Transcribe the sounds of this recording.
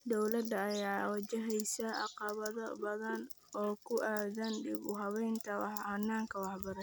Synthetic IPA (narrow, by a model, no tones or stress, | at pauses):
d̪ɔwlɐd̪ɐːjaːwɐt͡ʃɐɦɛjsɐʔɑ̰qɑβɐðɔbɐðɐn | ʔɔːkʰʊʔaːðɐnɖɪbʊɦɐβɛjnt̪ʰɐwɑħhɐnːaːŋkʰɐwɑħbɐɾɐ